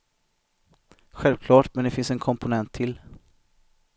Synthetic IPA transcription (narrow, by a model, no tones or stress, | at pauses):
ɧɛlvkʰlɑːʈmɛnd̪ɛfɪnsɛnkʰɔmpʊnɛnt̪ʰːɪl